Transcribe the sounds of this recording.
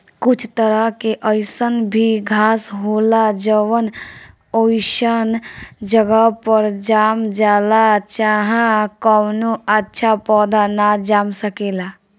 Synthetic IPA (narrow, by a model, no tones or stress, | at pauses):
kʊt͡ʃʰt̪əɾəɦkeʔəɪsənbʱiɡʱaːsɦoːlad͡ʒəʋən | oːɪʃənd͡ʒəɡəpəɾd͡ʒaːmd͡ʒaːlat͡ʃaːɦãkəwnoətːʃʰapɔːd̪ʱanad͡ʒaːmsəkeːlaː